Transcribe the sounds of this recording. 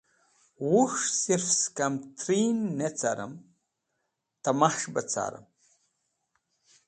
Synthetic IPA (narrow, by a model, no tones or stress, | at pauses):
wuʂsirfskamtʰrinːet͡sʰaɾɨ̰m | tʰamaχʂbɐt͡sʰa̰ɾɨ̰m